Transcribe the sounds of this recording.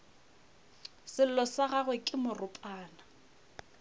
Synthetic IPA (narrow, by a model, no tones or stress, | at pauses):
sɪl̩lɔsaɣaɣwekʼɪmʊrʊpʼaːna